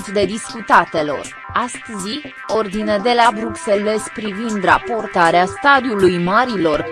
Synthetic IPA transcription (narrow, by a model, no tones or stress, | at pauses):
t̪d̪e̞d̪iskut̪at̪e̞lo̞̰r | ast̪əzi | o̞rd̪ined̪e̞labɾukse̞le̞spɾivind̪ra̰po̞rt̪aɾeast̪ad̪iulujmaɾilo̞r